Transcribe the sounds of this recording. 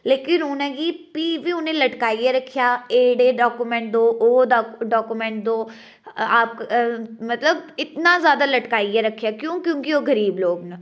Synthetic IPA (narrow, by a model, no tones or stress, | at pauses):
leːkɪnʊnẽːɡiːpiːʋiːʊnẽːləʈkaːiːjeːɾəkʰːɪjaːeːɽeːɖaːkuːmɛ̃ːɳʈ̚d̪oːʔoːd̪aɖaːkuːmɛ̃ːɳʈ̚d̪oː | aːp̚kmət̪ləbɪt̪nãːzjaːd̪aːləʈkaːiːjaːɾəkʰːjaːkjõːkjõːkɪoːɡəɾiːbloːɡnə